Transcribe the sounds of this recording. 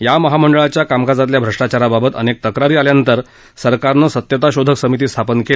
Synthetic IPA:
jaməɦaməɳɖəɭat͡ɕjakamkad͡zat̪ljabʱɾəʂʈat͡ɕaɾababət̪ə̰nek̚t̪əkɾaɾiːaljant̪əɾ | səɾkaɾnəsət̪jət̪aɕod̪ʱəksəmit̪̬iːst̪ʰapənkele

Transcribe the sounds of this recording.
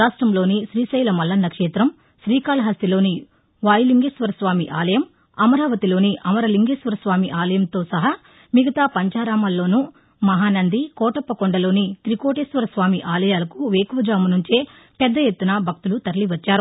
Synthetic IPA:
aːʂʈɾɐmlo̞ːniʃɾiːsɐjlɐmɐlːɐnːɐkʂɛːt̪ɾɐm | ʃɾiːkaːlɐɦɐsilo̞ːni | ʋaːjiliŋɡeːsʋɐɾɐsʋaːmiʔaːlɐjɐm | ɐmɐɾaːʋɐt̪ilo̞ːniʔɐmɐɾɐliŋɡeːsʋɐɾɐsʋaːmiʔaːlɐjɐmt̪o̞ːsɐɦɐ | miɡɐt̪aːpɐɲt͡ʃaːɾaːmɐːlːo̞ːnu | mɐɦaːnɐnd̪ikɔːʈɐpːɐkoɳɖɐlo̞ːnit̪ɾikoːʈeːsʋɐɾɐsʋaːmiʔaːlɐjaːlɐkuʋeːkʋɐd͡ʒaːmunuɲt͡ʃeː | pɛd̪ːɐjet̪ːunɐbʱɐk̚t̪ulut̪ɐɾɐliʋɐt͡ʃːaːɾu

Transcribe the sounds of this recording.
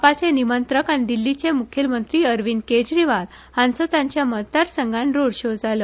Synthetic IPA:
pat͡senimənt̪ɾəkañid̪ilːit͡semukʰjəlmənt̪ɾiːəɾʋinked͡ʑɾiʋal | hãnt͡sot̪ãɲt͡ɕjamət̪ːaɾsəŋɡãnɾoɽɕod͡zaləː

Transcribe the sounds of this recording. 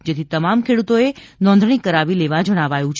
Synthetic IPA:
d͡ʒet̪ʰit̪əmamkʰeɽut̪oe | nɔ̃nd̪ʱɽ̃ikəɾaʋileʋad͡ʒəɽ̃aʋajũt͡ʃʰ

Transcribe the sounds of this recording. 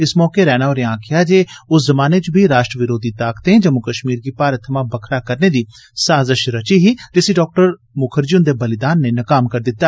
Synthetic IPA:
ɪsmɔːkeɾɛːɽ̃aːoːɾeãːkʰɪjaːd͡ʒeːʊszəmaːneːt͡ʃbʱiːɾaːʃʈɾəʋɪɾoːd̪iːt̪aːkt̪ẽːd͡ʒəmʊkəʃmiːɾɡiːpaːɾət̪ʰːəmãːbəkʰɾaːkəɾneːd̪iː | saːzəʃɾət͡ʃiːɦiːd͡ʒ̪ɪsiːɖɔːk̚ʈəɾ | mʊkʰəɾd͡ʒʊnd̪eːbəlɪd̪aːnːeːnəkaːmkəɾd̪ɪt̪ːaː

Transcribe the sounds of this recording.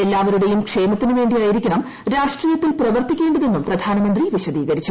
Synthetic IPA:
elːaːʋɐɾuɽe̞jumkʂe̞ːmɐt̪ːinuʋe̞ːɳɖijaːjiɾikʲːuɳɐm | ɾaːʂʈriːjɐt̪ːilprɐʋɐrt̪ikʲːeːɳɖɐðe̞nːumprɐd̪ʱaːnɐmɐnd̪riʋiɕɐd̪iːɡɐɾit͡ɕːu

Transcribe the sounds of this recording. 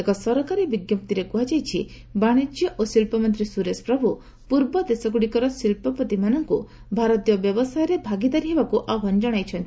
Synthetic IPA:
ekɔsɔɾɔkaɾibiɡjɔp̚t̪iɾekuɦad͡ʒajt͡ʃʰi | baɽ̃id͡ʒjɔʔosilpɔmɔnt̪ɾisuɾespɾɔbʱu | puɾbɔd̪esɔɡuɽikɔɾɔsilpɔpɔt̪imanɔŋku | bʱaɾɔt̪ijɔbjɔbɔsajɔɾebʱaɡid̪aɾiɦebakuʔaɦɔnd͡ʒɔɽ̃ajt͡ʃʰɔnt̪ʰi

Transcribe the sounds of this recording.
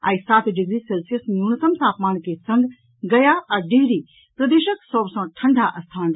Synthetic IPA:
a̰ːisaːt̪ʰɖiɡɾiselsijəsmunɐsɐmt̪ʰaːpmaːnkesɐ̃ŋɡ | ɡɐjaʔɐɖiːɾiː | pɾɐd̪eːʃəksɔːbsãːʈʰɐ̃ɳɖʱaʔɐst̪ʰaːn

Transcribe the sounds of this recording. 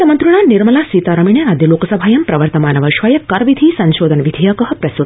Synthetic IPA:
t̪ɐmɐnt̪ɾuɳ̃aːniɾmɐlaːsiːt̪aːɾɐmiɳjɐɾaːd̪jɐloːkɐsɐbʱaːjɐmpɾɐʋɐɾt̪ɐmaːnɐʋɐʃʋɐjɐkɐɾʋid̪ʱiːsɐnʃoːd̪ʱɐnʋid̪ʱijakɐɦɐ̆pɾɐst̪ut̪

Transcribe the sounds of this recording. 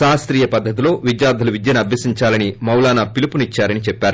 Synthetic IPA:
saːst̪ɾiːjɐpɐd̪ʱːɐt̪̬ilo̞ːʋid̪jaːd̪ʱɐluʋid̪jɐnɐbʱjɐsiɲt͡ʃaːlɐnimɐwlaːnapilipunit͡ʃːaːɾɐnit͡ʃɛpːaːɾu

